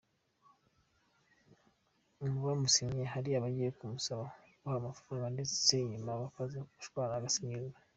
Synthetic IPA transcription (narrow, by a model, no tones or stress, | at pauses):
ŋɡuβamusiɲeɦaɾiaβaɟijekumusaβakohamafɾaːŋɡandet͡se̥seɲumaβafazeuʃu̥kaŋaɡasiɲizɡa